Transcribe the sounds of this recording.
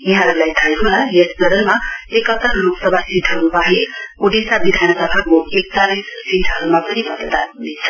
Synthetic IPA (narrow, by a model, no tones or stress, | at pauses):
jiɦãɾulajt̪ʰajɦolajesbʌɾʌlmaekʌt̪ʌrruksʌbʱasiʈʰʌɾubaɦiuɖisabid̪ʱanʌsʌbʱakoek̚t͡saɾissiʈʰʌɾumapʌnibʌd̪d̪a̰nɦunet͡sʰʌ̥